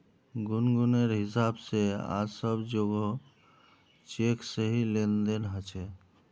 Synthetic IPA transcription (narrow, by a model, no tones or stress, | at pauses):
ɡunɡuneɾɦɪsabsea̰səbd͡ʒoɡo | t͡ʃeksəɦilend̪enɦət͡ʃʰe